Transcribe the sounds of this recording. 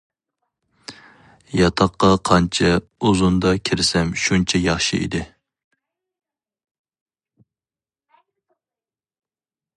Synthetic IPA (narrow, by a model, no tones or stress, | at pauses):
jɑt̪ʰɑqːɑqʰɑnt͡ʃʰɛuzund̪ɑkʲʰɪɾɪsɛmʃunt͡ʃʰɛjɑχʃɨʔḭd̪ɪ